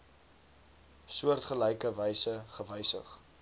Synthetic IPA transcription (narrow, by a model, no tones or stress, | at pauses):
suərtχəlɛjkəvɛjsəχəvəjsə̰χ